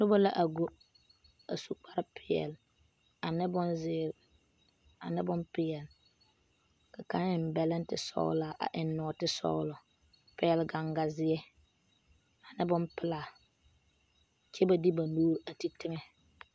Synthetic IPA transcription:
nʊ˦bo˦la˨ʔa˨ɡo˦ | a˨su˦k͡pa˦ɾɪ˦pʰɪ˨˦ɛ̰˨l | a˨nɪ˦bʊ˦nzɪː˦ɾ | a̰˨nɪ˦bʊ˦mpɪ˨jɛ˨l | ka˨ka˦ɪ˨m˦bɛ˨lɪ˦ntɪ̰˨sɔ̰˦la˨ʔa̰˨ʔɪ˨nːɔː˨tɪ˦sɔ̰˦lɔ˨ | pɪ˦ɛ˨lɡa˨ŋɡa˨zɪ˦ɛ˦ | a˨nɪ˦bʊ˦mpɪ˦laː˨ | t͡ʃɛ˦ba˨di˦ba˨nuː˦ɾa˨ti˦tɪ˦ŋɛ˦

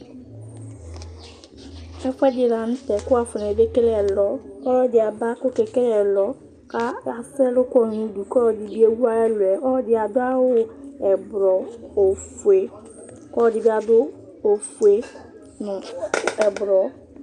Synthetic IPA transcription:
ɛ˦fɛ˦dɪ˨la˨n̩˦tɛ˨kʊ˦a˨fʊ˨n˨e˨be˦ke˦ɾɛ˨lɔ˦ɔ˦ɾɔ˦˨dɪ˨a˨ba˦kʊ˦ke˨ke˦ɾɛ˨lɔ˦ | ka˦a˨sɛ˦lʊ˦kɔ˦˨nu˦du˨kɔ˦ɔ˨di˨bi˦e˦wu˦a˦ɛ˦lwɛ˨ʔɔ˦dɪ˦a˨dʊ˦a˦wʊ˦ɛ˨bɾɔ˨o˨fu˨e˨ | kɔ˦˨dɪ˨bi˦a˨dʊ˦ | o˨fu˨e˨ | nʊ˨ɛ˨bʊ˨ɾɔ˨

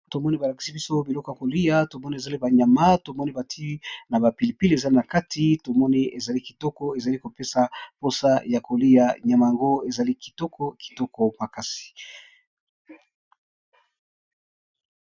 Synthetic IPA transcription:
to˨mɔ˦ni˦ba˨la˨ki̥˨si˦bi˦so˦bi˨lɔ˦kɔ˨ja˨ko˨li˦ja˦to˨mɔ˦ni˦e˨za˨li˦ba˨ɲa˨ma˦to˨mɔ˦ni˦ba˨tʰi˦na˨ba˨pi˨li˨pi˦le˨za˦li˦na˨ka˦tʰi˦to˨mɔ˦ni˦ʔe˨za˨li˦ki˨tɔ˦kɔ˦e˨za˨li˦ko˨pe˦sa˨po˦sa˦ja˨ko˨li˦ja˨ɲa˨ma˨ja˨ŋɡo˦e˨za˨li˦ki̥˨tɔ˦kɔ˦ki̥˨tɔ˦kɔ˦ma˨ka˦si̥˨

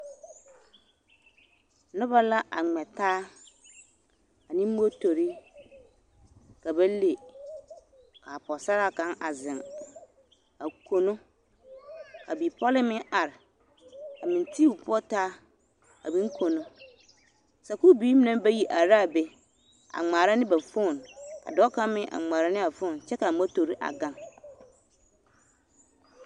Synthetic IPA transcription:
nʊ̃˦ba˦la˦ʔa˨ŋ͡mɛ˨tʰaː˦ | a˨nɪ̃˦m̩˦o˦tʰo˨ɾi˦ | ka˨bɛ˦le˨ | kʰa˨pʰɔ˨sa˦ɾa˦˨kã˦na˨zɪ̃˨n | a˨kʰo˨nʊ̃˦ | a̰˨bi˨pʰɔ˦lɪ˦mɪ̃˦a˨ɾ | a˨mɪ̃˨n˨tʰi˦u˨pʰʊ˦ɔ˦tʰaː˦ | a̰˨bĩ˦ŋ̩˦kʰo˨nʊ̃˦ | sɛ˨ku˦biː˦m̃˦nã˦m˦bɛ˦ji˨ʔa˨ɾa˦˨bɛ˦ | a̰˨ŋ͡maː˨ɾã˦nɪ̃˦bæ˨fõ˦˨na̰˨dɔ˦kʰã˦mɪ̃˦ʔã̰˨ŋ͡mãː˨ɾa˦nɪ̃˦a˨fʊ̃˦˨n˨t͡ɕʰɛ˦ka˨˦a˦tʰo˨ɾi˦ʔa̰˨ɡã˦n

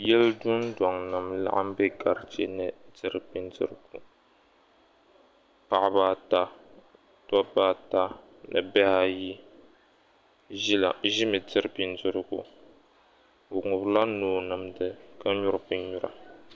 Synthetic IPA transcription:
jɛ˦ldʊ˦ndɔ˨ŋnɨ˨mla̰˦ʔa˦m˦bɛ˦ɡa˨ɾt͡ʃɛ˦nɨ˨dɨ˨ɾbi˦ndɨ̰˦ɾɨ˨˦ɡu˨ | pa˨ʔba˦ta˦ | tɔ˦ba˦ta˦ | nɨ̰˨bɛ˦ha˦ji˦ | a˨ʒɪ˦mɨ˨dɨ˦ɾɨ˦bi˦ndɨ˦ɾɨ˦ɡṵ˨ | o˨ŋʊ˨bla˦noː˨nɨ˨mdɨ˨ka˦ɲʊ˦ɾɨ˦˨bɨ˦ɲu˦ɾa̰˨

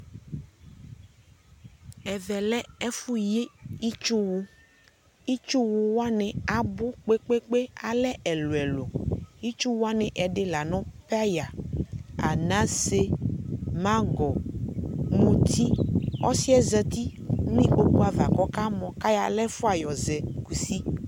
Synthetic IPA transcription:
ɛ˨vɛ˨lɛ˦ɛ˦fu˦je˦i˦t͡ʃu˦wo˦ | i˦t͡ʃu˦wo˦wo˦a˦nɛ̃˨a˨bo˦k͡pe˦k͡pe˦k͡pe˦a˨lɛ˦ɛ˨lo˨ɛ˨lo˨i˦t͡ʃu˦wo˦a˦nɛ̃˨ʔɛ˨ɖe˦la˨nɔ̃˦pe˦a˦ja˨ | a̰˨nã˦se˦ | mã˦ɡɔ˨ | mũ˨t̪ʰi˦ɔ̰˦si˦ɛ˦zɛ˦t̪i˦ | mĩ˦o˦k͡pu˦a˨va˨kɔ˦ka˦mɔ̃˨ka˦ja̰˨lɛ˦fo˦a˨jɔ˨zɛ˨ɡu˨si˦

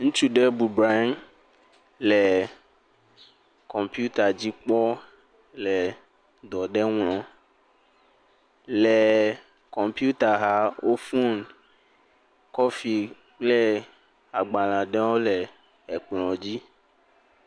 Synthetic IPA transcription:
ŋũ˦t͡ʃu˦ɖɛ˦bu˨bɾa˦m | lɛ˨ | kɔ˨mpju˦t̪a˨d͡ʑi˦k͡pɔ˦ | lɛ˨ | d̪ɔ˨ɖɛ˦ŋlɔ̃˨ | lɛ˨ | kɔ˨mpi˦u˦t̪a˨ɦa˦wʔo˦fu˦n | kɔ˦fi˨ | k͡ple˦ | a˨ɡ͡ba˨lã˨ɖɛ˦wo˦lɛ˨ | ɛ˨k͡plɔ̃˨d͡ʑi˦

